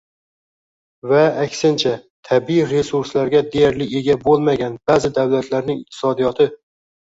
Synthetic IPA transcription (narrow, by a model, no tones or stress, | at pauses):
vaːkʲsɪnt͡ʃʰat̪ʰabiɾe̞suɾslaɾɡʲad̪e̞jaɾlɪe̞ɡʲabolˠmaɡʲanbazɪd̪awlat̪ʰlaɾnɪŋɪq̚t̪ʰɪ̥sɒd̪ijɒt̪ʰɪ